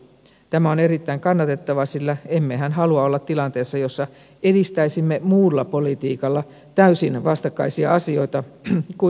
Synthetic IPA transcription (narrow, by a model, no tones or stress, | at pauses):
t̪æmæoneɾit̪ːæiŋkɑnːɑt̪et̪ːɑʋɑsilːæemːehænɦɑluɑolːɑt̪t̪ːilɑnt̪eːsːɑjosːɑ | edist̪æisimːemuːlːɑpolit̪iːkɑlːɑ | t̪æysinʋɑst̪ɑkːɑ̰isiɑɑsio̞it̪ɑku